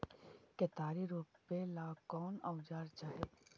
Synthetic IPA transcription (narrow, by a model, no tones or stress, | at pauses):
ket̪aːɾiɾuːppelaːkɔːnaʊd͡ʒaːɾt͡ʃaːɦeː